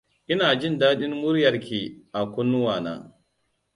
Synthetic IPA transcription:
ʔɪ˦naː˨d͡ʒɪ˦˨ndaː˦ɗɪ˦nmʊ˦ɾjɐ˨ɾkʲi˨ʔa˨kʷʊ˦nːʊ˦waː˨na̰ː˦

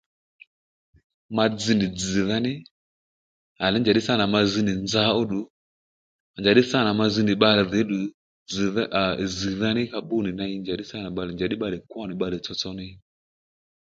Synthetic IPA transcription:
ma˧d͡zi˨ni˨d͡zi˨ða˦nɪ˦ | a˨lɛ˨˦nd͡ʒa˨ɗi˦sa˦˨na˨ma˨zi˦ni˨nd͡za˦ɔ˦ɗu˨˦ | a˨nd͡ʒa˨ɗi˦sa˦˨na˨ma˧zi˧˦ni˨ɓa˦lɛ˨ðɛ˨˦ɗu˨ | d͡zzi˨ða˦nɪ˦ka˧˦ɓu˦˨ni˨na˦i˦nd͡ʒa˨ɗi˦sa˦˨na˨ɓa˨lɛ˨nd͡ʒa˨ɗi˦ɓa˦lɛ˨kwa˦˨ni˨ɓa˨lɛ˨t͡sɔ˨˧t͡sɔ˦ni˦

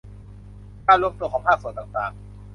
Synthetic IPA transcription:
kaː˥˩lo˦˥˩t̪u˧kʰɔː˩˦ŋpʰaː˥˩su˨˩˦t̪aː˨˩ŋt̪aː˨˩ŋ

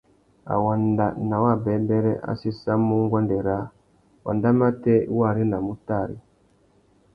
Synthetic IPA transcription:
a̰˨wa˨nda˨na˨wa˦˨bɛ˨˦bɛ˦ɾɛ˦ʔa̰˦si˦sa˦mːu˦ŋ˦ɡwa˦ndɛ˨ɾa˨˦ | wa̰˨nda˦ma˦tɛ˦wa˦˨ɾi˦na˨mu˦ta˦˨ɾḭ˦

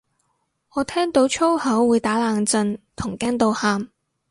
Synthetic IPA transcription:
ŋɔː˨˧t̪ʰɛː˥ŋt̪o˨˥wt͡ʃʰo˥whɐ˨˥wwuː˨˧jt̪aː˨˥laː˨˩ŋt͡sɵ˧nt̪ʰʊ˨˩ŋkaː˥nt̪o˧whaː˧m

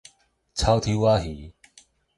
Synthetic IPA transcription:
t͡sʰa˦wt̪ʰi˦wa˦ɦi˨˦

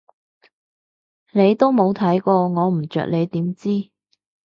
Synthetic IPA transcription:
ne˨˧jt̪o˥wmo˨˧wt̪ʰɐ˨˥jkɔː˧ŋɔː˨˧m̩˨˩t͡ʃœ̰ː˨k̚le˨˧jt̪iː˨˥mt͡siː˥

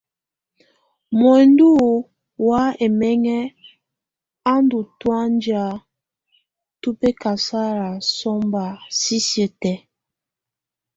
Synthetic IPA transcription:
mɔ˨ndu˦ | wa˦e˨mɛ˦ŋɛ˦ | a˦ndu˨twa˦nd͡ʒa˨ | tu˦pe˦ka˨sa˦ɾa˨sɔ˦mba˨si˦sjə˨tɛ˨

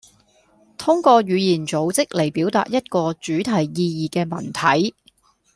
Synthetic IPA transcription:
t̪ʰʊ˥ŋkɔː˧ɥyː˨˧jiː˨˩nt͡so˨˥wt͡sɪ˥k̚le˨˩jpiː˨˥wt̪a̰ː˧˨t̚jɐ˥t̚kɔː˧t͡ʃyː˨˥t̪ʰɐ˨˩jːiː˧jiː˨kɛː˧mɐ˨˩nt̪ʰɐ˨˥j

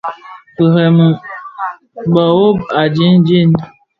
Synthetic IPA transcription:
pə˨ɾɛ˨mɨ˨ | bɔ˨wo˦ba˨d͡ʒi˦nd͡ʒi˦˨n

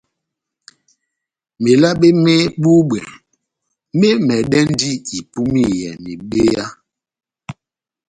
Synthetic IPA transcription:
me˨la˦ɓe˦mɛ˦ɓu˦ɓɛ˨˦ | me˦mɛ˨ɗɛ˦n˦di˦i˨pu˦mi˦˨jɛ˨ni˨ɓe˦ja˦

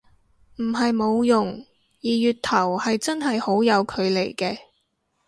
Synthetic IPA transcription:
m̩˨˩ɦɐ˨jmo˨˧wjʊ˨˩ŋ | jiː˨˩jyː˨t̚t̪ʰɐ˨˩whɐ˨jt͡sɐ˥nɦɐ˨jho˨˥wjɐ˨˧wkʰɵ˨˧ɥle˨˩jkɛː˧

